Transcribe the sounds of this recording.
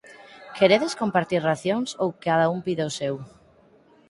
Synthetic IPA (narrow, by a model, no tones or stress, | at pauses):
keɾeðeskompaɾt̪iɾraθjoŋsowkaðaumpiðaosew